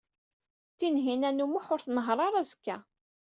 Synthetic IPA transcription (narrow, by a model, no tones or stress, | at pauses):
θinɦinænumuħʊɾθnəɦɾˤɑɾˤæzkːæ̰